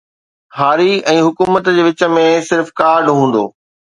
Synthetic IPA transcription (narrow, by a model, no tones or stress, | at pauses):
haːɾiɛ̃ːɦʊkuːmət̪d͡ʑeːʋɪt͡ɕə̆mẽsɪɾfkaːɾɖɦũːn̆d̪o̰ː